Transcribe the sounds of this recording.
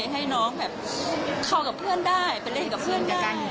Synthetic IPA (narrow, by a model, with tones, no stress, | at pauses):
ɦa˥˩jnɔː˦˥ŋbɛː˨˩p̚kʰa˧˩wka˨˩p̚pʰɯ˥˩əndaː˥˩jpa˨˧jle˥˩nka˨˩p̚ʰɯ˥˩ənka˨˧˥ka˧n